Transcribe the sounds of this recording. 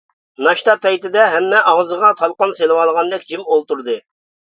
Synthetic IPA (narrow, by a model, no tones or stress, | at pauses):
nɑʃt̪ɑpɛjt̪ɪd̪ɛɦɛmːɛʔɑʁzəʁɑt̪ʰɑlˠqɑnselɨwɑlˠʁɑnd̪ɪkʲd͡ʒimolˠt̪uɾd̪ɨ